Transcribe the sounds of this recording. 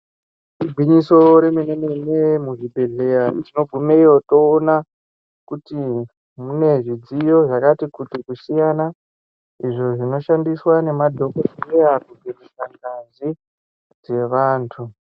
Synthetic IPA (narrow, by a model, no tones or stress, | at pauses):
iɡʱwiɲiso̞ɾe̞menenenemuʐibʱe̞ɮe̞jatino̞ɡʱumeijo̞to̞ːna | kuti | mune̞ʐid͡zijo̞ʐakatikutikusijana | iʐo̞ʐino̞ʃandiswane̞madʱo̞koirejakuɡʱerisaŋɡazi | d͡ze̞ʋaːntʰu